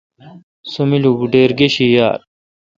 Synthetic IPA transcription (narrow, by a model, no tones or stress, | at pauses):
sumiluɡuɖeːɾɡeɕija̰ːɾ